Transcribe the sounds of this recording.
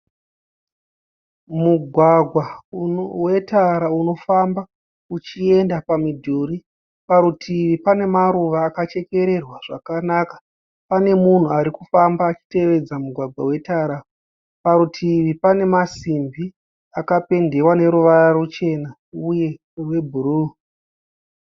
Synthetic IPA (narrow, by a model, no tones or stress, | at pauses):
muɡʱwaɡʱwa | we̞taɾauno̞famba | ut͡ʃie̞ndapamidʱuɾi | paɾutʰiʋipane̞maɾuʋaːkat͡ʃe̞ke̞ɾe̞rwaʐ̥akanakḁ | pane̞mun̤uaɾikufambaːt͡ʃi̥te̞ʋe̞d͡zamuɡʱwaɡʱwawe̞taɾa | paɾutʰiʋipane̞masimbi | akape̞nde̞wane̞ɾuʋararut͡ʃe̞na | uje̞ | we̞bʱuruː